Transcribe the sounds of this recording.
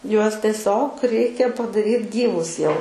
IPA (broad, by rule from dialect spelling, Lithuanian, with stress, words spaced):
ˈjuɔs tʲɛˈsʲoːk ˈrʲɛɪkʲɛ pɐdɐˈrʲiːt ˈɡʲiːʋʊs ˈjɛʊ